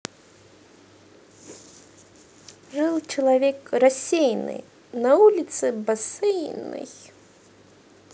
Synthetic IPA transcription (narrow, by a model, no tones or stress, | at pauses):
ʐɨlˠt͡ʃɐlˠavʲɛkɾasʲejnɨ̰ | nɐulʲit̪sɨbasɨjnɨ̰j